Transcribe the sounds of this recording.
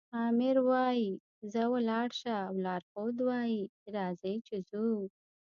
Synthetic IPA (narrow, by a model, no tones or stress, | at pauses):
ɑmɪɾwɑji | zəwəlɑɽʃaːwlɑɾxod̪wɑjiɾɑzəjt͡ʃɪzu